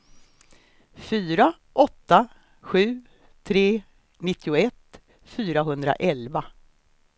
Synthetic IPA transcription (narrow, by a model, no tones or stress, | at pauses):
fyːɾa | ʔɔt̪ːa | ɧʉ̟ː | t̪ʰɾeː | nɪt̪ʰːɪʊɛt̪ː | fyːɾaɦɵnd̪ɾa̰ʔɛlva